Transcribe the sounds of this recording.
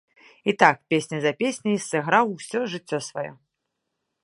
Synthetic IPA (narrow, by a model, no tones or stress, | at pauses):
it̪ak̚pʲesʲnʲɐzɐpʲesʲnʲɐjisɨɣɾawsʲɔʐɨt͡sʲːɔsvajɔ̰